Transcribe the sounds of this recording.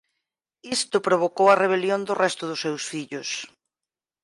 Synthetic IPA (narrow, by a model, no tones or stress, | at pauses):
ist̪ʊpɾoβ̞okowɐreβ̞eljond̪ʊrɛst̪ʊðʊsːewsfiʎʊs